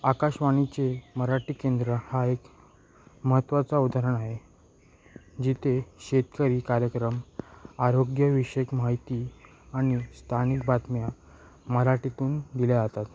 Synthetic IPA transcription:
akaɕʋañit͡seməɾaʈiːkend̪ɾəhaek | məɦət̪ːʋat͡saud̪ʱaɾəɳaɦe | d͡ʑit̪ʰeɕet̪kəɾiːkaɾjəkɾəmaɾoɡjəʋiʂekmaɦit̪i | aɽ̃ist̪ʰanik̚bat̪mja | məɾaʈit̪uːnd̪iljeat̪at̪

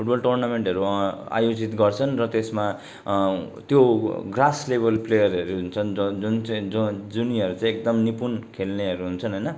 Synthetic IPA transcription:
pʰuʈ̚bʌlʈornameɳʈʌɾua̰jod͡zit̪ɡʌrt͡sʰʌnrʌt̪esma | t̪joɡraslebʱʌlplejʌrʌɾuɦunt͡sʰʌnd͡zunt͡sãd͡zd͡zuniʌɾut͡sãĩekd̪ʌmnipunkʰelneʌɾuɦunt͡sʰʌnɦʌjnʌ

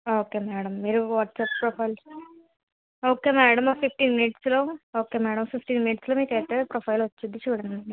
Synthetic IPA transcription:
oːkeːmæːɽɐmːiːɾuʋaːʈsaːppɾopʰɐjl | oːkeːmɛːɽɐmpip̚ʰʈiːnminiʈslo̞ːoːke̞ːmɛːɽɐmsiksʈiːnminiʈsloːmiːkeːt̪ːeːpɾoːpʰɐjlʋɐt͡ʃːud̪it͡ʃuːɽɐnɐɖi

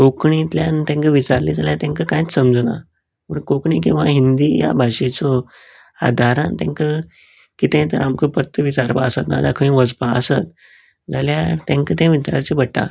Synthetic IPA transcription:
kokɳit̪ljant̪ãŋkəʋit͡ɕaɾlid͡zaljat̪jãŋkəkãjit͡ssəmd͡zna̰ | pəɳkokɳik̬ĩw̃ʋaɦind̪iːja̰bʱaʂet͡sɔ | a̰d̪ʱaɾãnt̪jã̰ŋkə | kit̪ẽt̪əɾamkəpət̪ːəʋit͡ɕaɾpaəsat̪na̰d͡za̰kʰəĩʋəd͡zpaəsat̪ | d͡zaljat̪ãŋkət̪ãʋit͡ɕaɾt͡ɕebəʈːa̰

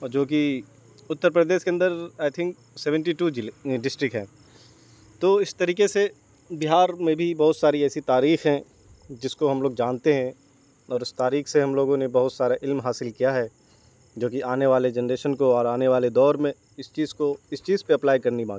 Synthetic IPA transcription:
ɔd͡ʒoːki | ʊt̪ːəɾpɾəd̪eːʃkeɐ̃nd̪əɾaːɪt̪ʰɪ̃ŋk | sɛʋə̃ɳʈiʈuːɖɪsʈɾɪk̚ɦɛ̃ː | t̪oːɪst̪ɐɾiːkese | bɪɦaːɾmẽbʱibɐɦʊt̪saːɾiɛːsit̪aːɾiːxɦɛ̃ | d͡ʒɪskoɦɐmloːɡ̚d͡ʒãːnt̪eɦɛ̃ | ɔːɾɪst̪aːɾiːxseɦɐmloːɡõnebɐɦʊt̪saːɾaʔɪlmɦaːsɪlkijaɦɛː | d͡ʒoːkiʔaːneʋaːled͡ʒɛnɾeːʃənkoɔːɾaːneʋaːled̪ɔːɾmẽ | ɪst͡ʃiːzkoɪst͡ʃiːzpeɐplaːɪkɐɾnimãːɡi

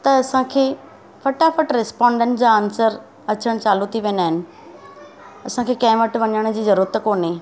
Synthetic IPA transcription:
t̪ɐɐsãkʰeː | fɐʈafɐʈɾɪspaːɳɖəɳʈd͡ʑaːnsəɾ | ɐt͡ɕəɽ̃t͡ɕaːlut̪ʰiʋẽːnaːɦɪnɪ̆ | ɐsãkʰeːkɐ̃ɦɪ̃ʋɐʈʋɐɲəɽ̃d͡ʑiːzɐɾuːɾət̪koːnɦeː

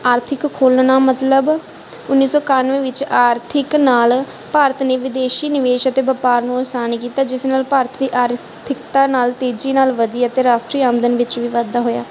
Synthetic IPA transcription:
aːɾt̪ʰɪkːʰoːlnaːmət̪ləb | ʊnːiːsɔːkanʋẽːʋɪt͡ʃaːɾt̪ʰɪknaːl | paːɾət̪ʰneːʋɪd̪eːʃiːnɪʋeːʃət̪eːbəpaːɾnũːɔsaːnkiːt̪aːd͡ʒɪsnaːlpaːɾət̪ʰd̪iːʔaːɾ | t̪ʰɪkt̪aːnaːlt̪eːd͡ʒiːnaːlʋəd̪iːaət̪eːɾaːsʈɾiːaːmd̪ənʋɪt͡ʃʋiːʋad̪aːɦoːja̰ː

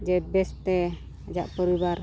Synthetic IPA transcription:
d͡ʒɛbɛst̪ɛ | ad͡ʒaʔpɔɾibaɾ

